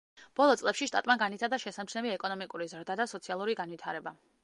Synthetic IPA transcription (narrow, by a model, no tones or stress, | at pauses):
b̥ɔlˠɔt̪sʼlɛpʃiʃt̪ʼa̰t̪ʼmaɡanit̪ʰaɾd̪aʃɛsamt͡ʃʰnɛviɛkʼɔnɔmikʼuɾizɾd̪ad̪asɔt̪sʰialˠuɾiɡanvit̪ʰaɾɛba